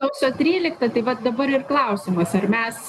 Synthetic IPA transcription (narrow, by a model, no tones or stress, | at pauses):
ɐʊsʲoːt̪ʲɾʲiːlʲɪk̚t̪ɐt̪ɐɪʋɐt̪d̪ɐbɐɾɪrklˠɐʊsʲɪmɐsɐɾmʲɛs